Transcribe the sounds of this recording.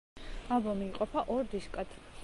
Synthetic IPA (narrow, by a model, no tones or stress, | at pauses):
abɔmiːqʼɔpʰaʔɔɾd̪iskʼad̪ʰ